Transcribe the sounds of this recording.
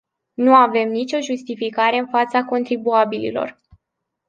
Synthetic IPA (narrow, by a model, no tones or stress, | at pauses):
nuave̞mnit͡ʃʲo̞ʒust̪ifikaɾe̞ɨnfat̪sako̞nt̪ɾibuabilḭlo̞̰r